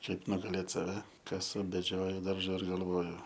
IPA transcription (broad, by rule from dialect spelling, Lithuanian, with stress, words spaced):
ˈkɐɪp nʊɡɐˈlʲeːt ˈsɑːʋʲɛ ˈkɑːsʊ bʲɛˈd͡ʒʲoːjʊ ˈdɐrʒɐ ɪr ɡɐlˠˈʋoːjʊ